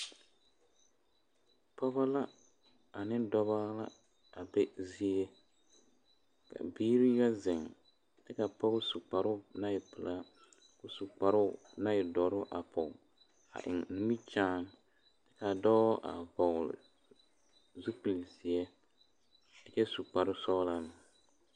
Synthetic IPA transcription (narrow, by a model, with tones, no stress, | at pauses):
pɔ˦βa˦la˦ | a˨nɪ˦dɔ˦βa˦la̰˦ | a˨bɛ˦zi˦ɛ˦ | ka̰˨biː˦ɾi˦ja˦zɪ˨ŋ | tɨ˦ka˨pɔ˦ɡʊ˦su˨k͡pa˨ɾʊ˦na˦jɪ˨pɨ˨la˦ | kʊ˦su˨k͡pa˨ɾʊ˦ | na˦jɪ˨dɔ˨ɾʊ˦ʔa˨pɔ˨ | a̰˨ʔɪ̰˨ŋnɨ˦mi˦t͡ʃaː˦n˦ | tɛ˦ka˨dɔ˦ʔa̰˨vɔ˨lɪ̰˨ | zu˦pɨ˨lsi˨ɛ˦ | dɪ˨t͡ʃɛ˦su˨k͡pa˨ɾʊ˦sɔ˦la˦nɨ˨